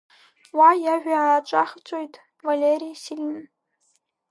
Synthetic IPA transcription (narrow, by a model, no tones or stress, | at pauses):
wajaʒᶣʷaʕaːʈ͡ʂʷʼaχt͡sʷʼojtʼ | valʲeɾijsilʲin